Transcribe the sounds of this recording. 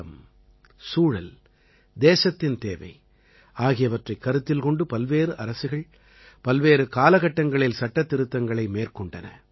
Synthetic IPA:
ɐm | suːɻɐ̰l | d̪eːsɐt̪ːɪnt̪ḛːʋɐ̰ɪ | aːɣɪjɐʋɐʈrɐɪkːɐɾɯt̪ːɪlkɔɳɖɯpɐlʋeːɾɯʔɐɾɐsɯɣɐɭ | pɐlʋeːɾɯkaːlɐɣɐʈːɐŋɡɐɭɪlsɐʈːɐt̪ːɪɾɯt̪ːɐŋɡɐɭɐɪmeːrkɔɳɖɐ̰nɐ̰

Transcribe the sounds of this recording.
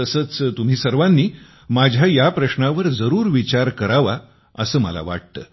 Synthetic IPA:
əsəːt͡st̪um̤iːsəɾʋanːiː | mad͡ʑʱjajapɾəɕnaʋəɾd͡zəɾuːɾʋit͡ɕaɾkəɾaʋa | əsəːmə̰la̰ʋa̰ʈ̚t̪ə̰ː

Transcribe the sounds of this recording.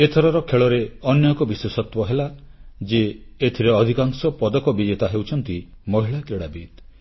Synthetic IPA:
et̪ʰɔɾɔɾɔkʰeɭɔɾeɔnjɔkɔbiswesɔt̪wɔɦelad͡ʒeːt̪ʰiɾeɔd̪ʱikaŋsɔpɔd̪ɔkɔbid͡ʒet̪aɦewt͡ʃʰɔnt̪i | mɔɦiɭakɾeɽabid̪̚

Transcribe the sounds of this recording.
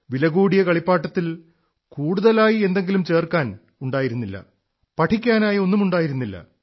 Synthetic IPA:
ʋilɐɡuːɽijɐkɐɭipːaːʈːɐt̪ːil | kuːɽuðɐlaːjie̞nd̪e̞ŋɡilumt͡ɕe̞ːrkaːn | uɳɖaːjiɾunːilːɐ̰ | pɐʈʰikʲːaːnaːjo̞nːumuɳɖaːjiɾunːilːɐ̰

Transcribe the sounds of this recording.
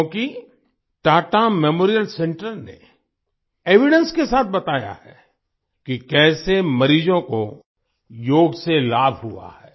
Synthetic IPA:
õːki | ʈaːʈamemoːɾijəlsẽɳʈəɾnḛ | eːʋɪɖə̃nskesaːt̪̚ʰbɐt̪aːja̰ɦɛ | kikɛːsemɐɾiːd͡ʒõko | joːɡselaːbʱɦua̰hɛː

